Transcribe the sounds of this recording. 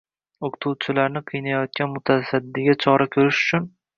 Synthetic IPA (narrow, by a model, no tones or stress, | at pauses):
okʰt̪ʰuwt͡ʃʰɪlaɾnɪqʰɨjnajɒt̪̚kʲanmʊt̪ʰasad̪ːɪɡʲat͡ʃʰɒɾakʲʰɵɾɪʃʊ̥t͡ʃʰʊn